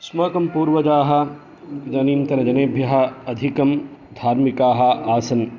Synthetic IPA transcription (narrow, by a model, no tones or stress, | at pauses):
smɐkɐmpuːɾʋɐd͡ʒaːɦɐ | d͡ʒɐniːnt̪ɐɾɐd͡ʒɐneːbʱjɐɦɐɐd̪ʱikɐmd̪ʱaːɾmikaːɦɐaːsɐn